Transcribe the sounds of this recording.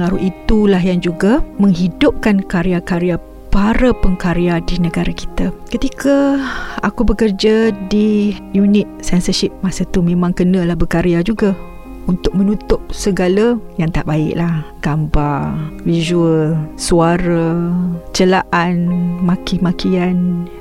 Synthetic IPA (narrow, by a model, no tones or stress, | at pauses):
əŋaɾuit̪ulaɦjand͡ʒuɡamə̃ŋɦidʊp̚kankaɾeakaɾea | paɾapəŋkaɾeadinə̃ɡaɾaki̥t̪akət̪ikʰaa̰kubəkərd͡ʒadijunɪt̪̚sɛnsəʃip̚masat̪umẽmãŋkənãlahbəkaɾiad͡ʒuɡa | unt̪ʊk̚mə̃nut̪ʊp̚səɡalajaŋt̪a̰ʔbaɪ̰ʔlahɡ̥ambavizuəlsuaɾat͡ʃəlaʔanmakimakian